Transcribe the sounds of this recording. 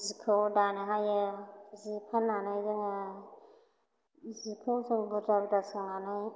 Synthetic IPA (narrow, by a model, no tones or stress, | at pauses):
zikʰɯwdanɯɦajɯzipʰanːanajdɯŋa | zikʰɯwzɯŋbuɾabdasɯŋanaj